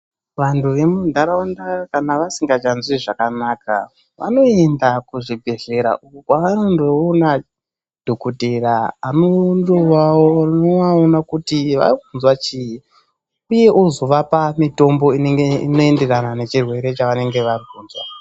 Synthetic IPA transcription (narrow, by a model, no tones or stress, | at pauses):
ʋantʰuʋe̞mundʱaɾaandakanaʋasiŋɡat͡ʃanzwiʐakanaka̰ | ʋa̰no̞e̞ndakuʐibʱe̞ɮe̞ɾa̰ʔukokwaʋano̞ndo̞ːna | d̥ʱokuteɾaːnondoʋaornoaonakutiʋa̰vunzwat͡ʃiji | uje̞ʔozo̞ʋapamito̞mbo̞ineŋɡeino̞e̞nderanane̞t͡ʃirwe̞ɾe̞t͡ʃaʋane̞ŋɡe̞ʋarikuːnd͡zwa̰